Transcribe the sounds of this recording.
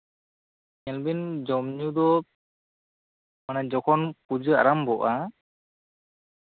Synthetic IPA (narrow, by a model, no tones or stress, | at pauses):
ɲɛlbind͡ʒɔmɲud̪ɔ | manɛd͡ʒɔkʰɔnpud͡ʒɯa̰ɾambɔʔa